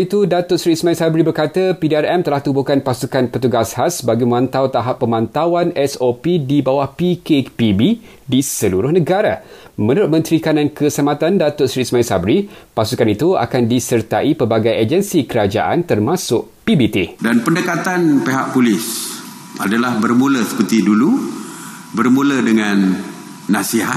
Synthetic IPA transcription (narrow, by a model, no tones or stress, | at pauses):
it̪udat̪ʊʔsɾismãisabɾibərkat̪apidiarɛmt̪əlaht̪ubukanpasukanpət̪uɡashasbaɡiməmãnt̪awt̪aɦapːəmãnt̪awanɛsopidibawahpikepibi | disəluɾʊhnə̃ɡaɾamə̃nuɾʊt̪̚mə̃nt̪ɾikanãnkʰəsamat̪andat̪ʊtsɾismaisa̰bɾipasukanit̪ua̰kandisərt̪aʔipəbaɡajad͡ʒənsikəɾad͡ʒa̰ʔa̰nt̪ərmasʊk̚pibit̪edanpəndəkat̪anpeɦaʔpulɪs | ʔadalahbərmũləsə̥pərt̪idulu | bərmũlədəŋãnː | ãsiɦat̪